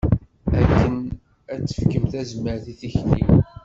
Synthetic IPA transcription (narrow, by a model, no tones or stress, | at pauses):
ækːən | æt͡sːə̥fkəmθæzməɾθiθiçlḭ